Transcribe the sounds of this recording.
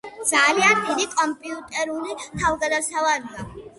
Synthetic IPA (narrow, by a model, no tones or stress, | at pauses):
d̪zaliand̪id̪ikʼɔmpʼiupt̪ʼɛɾulit̪ʰalɡad̪asavalia